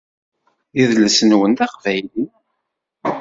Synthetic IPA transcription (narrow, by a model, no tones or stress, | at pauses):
iðləsənwənt̪æqvæjli